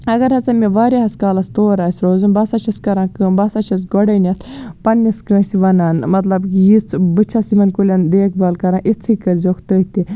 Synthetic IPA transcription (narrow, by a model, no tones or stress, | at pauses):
ɐɡɐɾhɐt͡sɐmʲeʋaːɾʲaɦɐskaːlɐst̪oːɾaːsʲɾoːzunbɐsat͡ʃʰɐskɐɾãːkɨbɐsat͡ʃʰɐsɡoɽɐnʲɐt̪ʰpɐnːiskɐːsiʋɐnaːnmɐt̪lɐbkijit͡sbɨt͡ʃʰasimɐnkulʲɐnd̪eːk̚ʰbɐlkɐɾãːʔit͡s̪ʰikɐɾzokʰt̪ət̪i